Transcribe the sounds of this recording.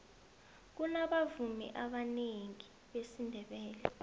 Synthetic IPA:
k̬unaɓavumḭʔaɓaneŋi | ɓesindʱɛɓɛːlɛ

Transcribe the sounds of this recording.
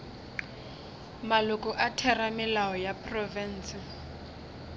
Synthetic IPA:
malʊkʼʊʔatʰɛramɪlaɔjapʰʼrɔvɛn̩ːsɪ

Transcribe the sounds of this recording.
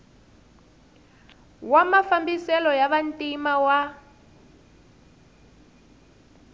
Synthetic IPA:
wamafambisɛlɔjaβantʼimawa

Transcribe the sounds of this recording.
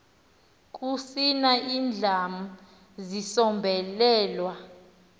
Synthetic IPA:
k̬ʼusinaiːnd͡ɮʱamu | zisɔmbʱɛlɛːlwa

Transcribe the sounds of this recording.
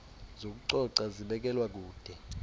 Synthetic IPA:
zok̬uǀɔǀaziɓɛk̬ʼɛlwak̬uːd̥ʱɛ

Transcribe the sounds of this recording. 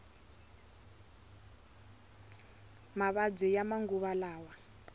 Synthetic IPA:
maβad͡zɛjamaŋɡuβalaːwa

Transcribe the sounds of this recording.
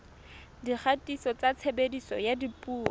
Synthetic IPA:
diχʰatʼisɔt͡sat͡sʰebedisɔ̰jadipʼuːɔ

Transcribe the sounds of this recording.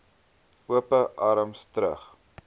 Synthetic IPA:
uəpəʔɐɾəmstɾə̰χ

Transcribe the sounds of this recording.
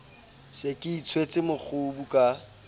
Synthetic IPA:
sekʼɪit͡sʰwet͡sʼɪmʊk͡xʰʊbukʼa

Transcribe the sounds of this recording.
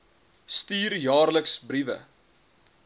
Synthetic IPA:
stiːrjɑːrləksbrivə̰

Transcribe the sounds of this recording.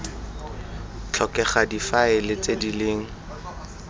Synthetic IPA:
t͡ɬʰɔkɛχadifaɪlɪt͡sedileːŋ̩

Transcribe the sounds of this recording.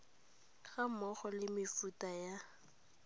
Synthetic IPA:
ɣamɔχɔlɪmɪfutaja

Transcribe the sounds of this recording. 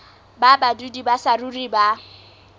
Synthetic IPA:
babadudibasaruriba

